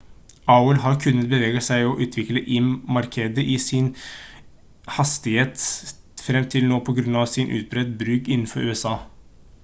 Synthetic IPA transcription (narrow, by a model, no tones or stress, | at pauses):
ɑʊəlɦɑɾkʰʉnːət̪̚bəʋeːɡəsæɪɔʔʉːt̪ʰʋɪkləʔɪmmɑɾkʰeːd̪əʔɪsɪn | hɑst̪ɪheːt̪ | fɾɛmt̪ʰɪlnoːpʰɔɡɾʉnɑʋsɪnʔʉ̰ːt̪̚bɾɛd̪bɾʉːkɪnːn̩fɔɾʉːɛsɑː